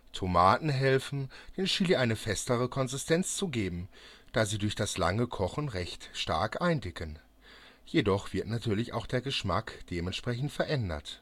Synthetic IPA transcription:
tʰomaːtn̩ɦɛlfn̩d̥eːnʃiliʔaɪnəfɛstəʁəkʰɔnzɪstʰɛnt͡st͡suɡeːbm̩d̥aːziːdʊɐçd̥asla̰ŋəkʰɔχn̩ʁɛçtʃta̰ɐkʔaɪndɪkʰən | jedɔχv̥ɪɐtnatʰyːɐlɪça̰ʊxd̥eːɐɡəʃma̰kd̥eːmɛntʃpʁ̥ɛçn̩tfɛɐʔɛndɐ̰t

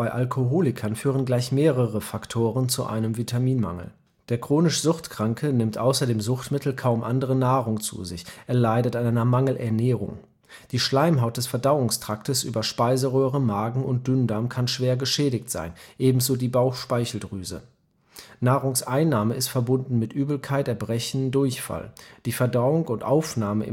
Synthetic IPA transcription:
b̥aɪʔalkʰoɦoːlɪkʰɐnfyːʁ̞ənɡlaɪçmeːʁəʁəfaktʰoːʁənt͡suʔa̰ɪnəmvitʰamiːnma̰ŋl̩ | d̥eːɐkʁ̥oːnɪʃz̥ʊχtkʁ̥aŋkʰənɪmtʔaʊsɐdeːmzʊχtmɪtl̩kʰaʊmʔandəʁənaːʁʊŋt͡sṵzɪçʔeːɐlaɪdətʔaɪnʔaɪnɐmaŋl̩ʔɛɐnɛːʁ̞ʊ̰ŋ | d̥iːʃlaɪmɦaʊt̚d̥ɛsfɛɐdaʊʊŋstʁ̥aktəsʔy̰ːbɐʃpaɪzəʁøːʁ̞əmaːɡŋ̩ʊnt̚d̥ʏndaɐmkʰanʃv̥eːɐɡəʃɛːdɪçtz̥a̰ɪnʔeːbm̩zoːdiːbaʊxʃpaɪçl̩dʁyːzə̰ | naːʁʊŋsʔaɪnːaːməɪstfɛɐbʊndn̩mɪtʔyːbl̩kʰaɪtɛɐbʁɛçn̩dʊɐçfa̰ld̥iːfɛɐdaʊʊŋʊntʔaʊfnaːməɪ̰

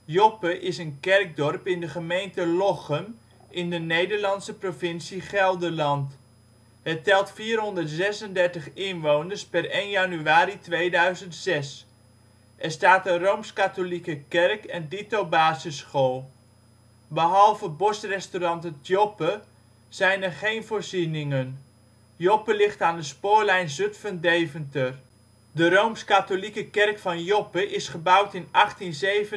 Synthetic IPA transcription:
jopəʔɪsənkɛrɡ̚dɔrpɪndəχəmejntəlɔχəm | ʔɪndənejdəɹlɑnsəprovɪnsiχɛlˠdəlɑnt | ɦətɛlˠtfiːrɦɔndəɹtzɛsəndɛɹtəχɪnʋownəɹspɛrejnjanyaːɾitʋejdœɥzəntsɛs | ʔɛɹstaːtənrowmskatolikəkɛrkɛnditowbaːzəsχolˠ | bəɦɑlˠvəbɔsrɛstorɑnttjɔpə | z̥ɛjnɛrχejnvʊːɹzinɪŋən | jɔpəlɪχtaːndəspoːɹlɛjnzɵtfəndejvəntər | dərowmskatolikəkɛrkfɑnjɔpəʔɪsχəbʌwtɪnɑχtinzejvə

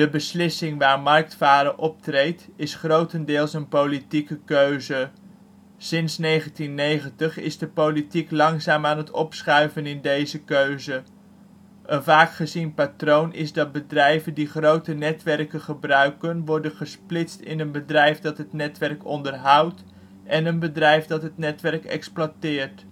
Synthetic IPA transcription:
dəbəslɪsɪŋʋaːɹmɑrk̚tfaːɾəʔɔp̚trejtɪsχrowtəndɪːlˠsənpowlitikəkøɥzə | sɪnsnejχəntinːejχəntəχɪ̰zdəpowlitiklɑŋzaːmaːnɦətɔ̰psχœɥvənɪndejzəkøɥzə | ʔənvaːkχəzinpatrownʔɪ̰zdɑt̚bədrɛjvəndiχrowtənɛtʋɛrkəχəbrœɥkənʋɔɹdənχəsplɪtstɪ̰nənbədrɛjfdɑtɦətnɛtʋɛrkɔndərɦʌwt | ʔɛnənbədrɛjfdɑtɦətnɛtʋɛrkɛ̰ksplatɪːɹt

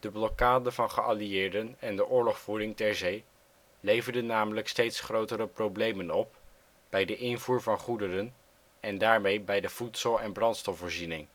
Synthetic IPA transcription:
d̥əblɔkaːdənvɑnχəʔalijɪːɹdənɛndəʔʊːɹlɔχfuːɾɪŋtɛɹzej | lejvəɹdənːaːmələkstejtsχrowtəɾəprowblejmənɔp̚ | b̥ɛjdəʔɪnvuːɹvɑnχudərən | ɛndaːɹmejbɛjdəv̥utsəlˠɛnbrɑntstɔfvoːɹzinɪŋ

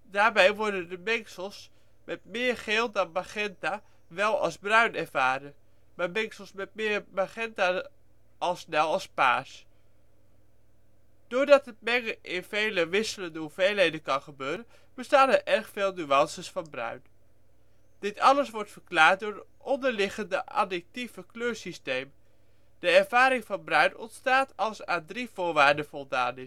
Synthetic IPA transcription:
daːɹbɛjʋɔɹdəndəmɪŋksəlˠs | mɛtmɪːɹχeːlˠdɑnmaχɛnta | ʋɛlˠɑ̰lˠzbrœɥnɛɹvaːɾə | maːmɪŋsəlˠsmɛt̚mɪːɹmaχɛnta | ʔɑlˠsnɛlˠɑlˠspa̰ːs | d̥ʊːɹdɑtət̚mɛŋəʔɪnv̥ejləʋɪsələndəɦuvejlɦejdənkɑnχəbøːɾən | bəstaːnɛɹʔɛɹχfeːlˠnyɑnsəsfɑnbrœ̰ɥn | d̥ɪtɑləsʋɔɹtfəɹklaːɹt̚dʊːɹət | ɔndəɹlɪχəndəʔɑ̰dɪk̚tivəkløːɹsistejm | d̥əɛɹv̥aːɾɪŋvɑnbrœɥnɔ̰ntstaːtʰɑlˠsaːndriv̥ʊːɹʋaːɹdənv̥ɔlˠda̰ːnɪ

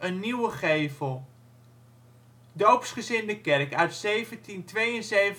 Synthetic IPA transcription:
ənːiwəχejvəlˠ | dowpsχəzɪndəkɛrkœɥtsejvəntintʋejənzejv

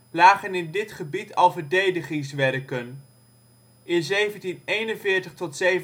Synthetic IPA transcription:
laːχənɪndɪtχəbitɑlˠvəɹdejdəχɪŋsʋɛrkən | ʔɪnzejvəntinejnənvɪːɹtəχtɔtsej

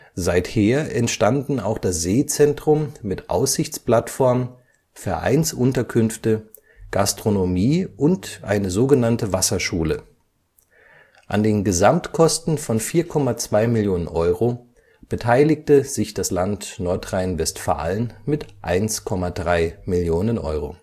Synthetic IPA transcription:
zaɪtheːɐʔɛntʃtandn̩a̰ʊxd̥asz̥eːt͡sɛntʁ̥ʊmːɪtʔa̰ʊsz̥ɪçt͡splatfɔɐm | fɛɐʔa̰ɪnsʔʊntɐkʰʏnftə | ɡ̥astʁ̥onomiːʔʊntʔa̰ɪnəzoːɡənantəvasɐʃuːlə | ʔa̰ndeːnɡəzamtkʰɔstn̩fɔnfiːɐkʰɔmat͡sv̥aɪmɪljoːnənʔɔʏʁo | b̥ətʰaɪlɪk̚təz̥ɪçd̥aslantnɔɐtʁ̥aɪnvɛstfa̰ːlənmɪtʔa̰ɪnskʰɔmadʁaɪmɪljoːnənʔɔ̰ʏʁo̰

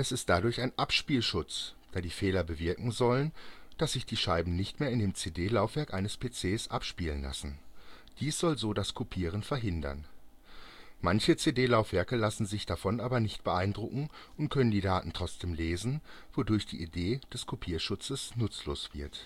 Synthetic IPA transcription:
ʔɛsɪst̚d̥adʊɐçaɪnʔapʃpiːlʃʊt͡sd̥aːdiːfeːlɐbəvɪɐkŋ̩zɔlənd̥asz̥ɪçd̥iːʃaɪbm̩nɪçtmeːɐɪndeːmt͡seːdeːlaʊfv̥ɛɐkʔaɪnəspʰet͡seːsʔapʃpiːlənla̰sn̩ | d̥iːsz̥ɔlzoːdaskʰupʰiːʁ̞ənfɛɐɦɪndɐ̰n | mançət͡seːdeːlaʊfv̥ɛɐkəlasn̩zɪçd̥afɔnʔaːbɐnɪçtb̥əʔaɪndʁʊkŋ̩ʔʊnt̚kʰœnəndiːdaːtn̩tʁ̥ɔt͡sd̥eːmleːzn̩v̥odʊɐçd̥ḭːʔideːd̥ɛskʰupʰiːɐʃʊt͡səsnʊt͡slo̰ːsv̥ɪɐt

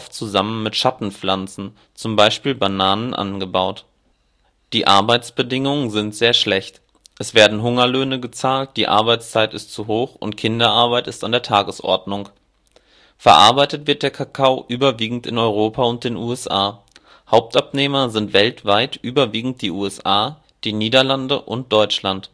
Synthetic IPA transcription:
ft͡suzamənmɪtʃatn̩flant͡sn̩ | t͡sʊmbaɪʃpiːlbanaːnənʔa̰nɡəbaʊt | d̥iːʔa̰ɐbaɪt͡sb̥ədɪŋʊŋənzɪntz̥eːɐʃlɛçt | ʔɛsv̥eːɐdn̩ɦʊŋɐløːnəɡət͡saːlt̚d̥iːʔa̰ɐbaɪt͡st͡saɪtɪstt͡suɦoːxʊ̰ntkʰɪndɐʔaɐbaɪtɪstandeːɐtʰaːɡəsʔɔ̰ɐdnʊŋ | fɛɐʔa̰ɐbaɪtətv̥ɪɐt̚d̥eːɐkʰakʰaʊʔyːbɐviːɡŋ̩tɪ̰nɔʏʁ̞oːpʰaʊnt̚d̥eːnuːɛsʔaː | haʊp̚tʔapneːmɐzɪntv̥ɛltv̥aɪtʔyːbɐviːɡŋ̩t̚d̥iːʔuːɛsʔaː | d̥iːniːdɐlandəʔʊnt̚d̥ɔʏt͡ʃlant

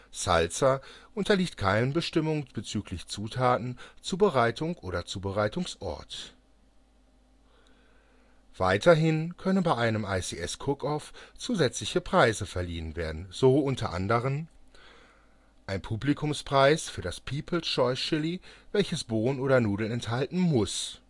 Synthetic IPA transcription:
sa̰lt͡saʔʊntɐliːçtkʰaɪnənbəʃtɪmʊŋb̥ət͡syːklɪçt͡suːtʰaːtn̩t͡suːbəʁaɪtʰʊŋʔoːɾɐt͡suːbəʁaɪtʊŋsʔɔ̰ɐt | v̥a̰ɪtʰɐɦɪnkʰœnənbaɪʔaɪnəmaɪsiʔɛskʰʊkʰɔft͡suːzɛt͡slɪçəpʁ̥aɪzəfɛɐliːənvḛːɐdn̩z̥oʔʊntʰɐ̰ʔa̰ndəʁəm | ʔaɪnpʰuːblikʰʊmspʁ̥aɪsfyːɐdaspʰiːpʰl̩ʃɔʏsʃɪlivɛlçəsb̥oːənʔoːɾɐnuːdl̩ɛnthaltn̩mʊs

